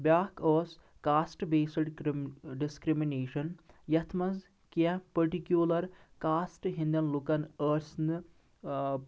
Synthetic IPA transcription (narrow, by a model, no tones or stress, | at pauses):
bjaːkoːs | kaːsʈbeːsɐɖɖiskɾimineːʃɐnjɐt̪ʰmɐz | kɐ̃pɐɾʈikjulɐɾkaːsʈɦind̪jɐnlukɐnəːɾsnɨ